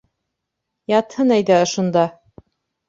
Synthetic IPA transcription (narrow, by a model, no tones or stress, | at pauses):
jɑt̪hɤnæjd̪æŏʃŭnd̪ɑ